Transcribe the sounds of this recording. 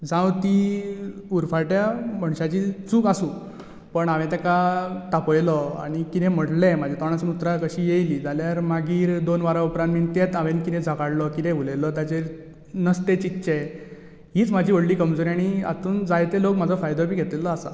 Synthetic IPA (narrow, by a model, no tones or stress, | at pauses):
d͡zãwt̪i | uɾfaʈjam̤əɳɕat͡ɕit͡suːkasũː | pəɳaʋẽt̪ɛkaʈ̪apɔjlɔa̰ɽ̃ikit̪ʰɛ̃m̤əɽlɛmad͡ʑʱet̪ɔɽ̃ɳ̃asunut̪ɾakəɕiːjejliːd͡zaljaɾmaɡiːɾd̪onʋaɾaupɾãnmint̪et̪aʋenkit̪ʰɛ̃d͡zʱakaɽlɔkit̪ʰɛ̃ʋulejlɔt̪jat͡ɕe | nəst̪ẽt͡ɕit̪ɕe | ɦiːt͡sm̤ad͡ʑʱiːʋəɽliːkəmd͡zoɾaɽ̃ia̰t̪uːnd͡zajt̪elokmad͡zʱɔfajd̪ɔpiːɡʱet̪lelɔasa̰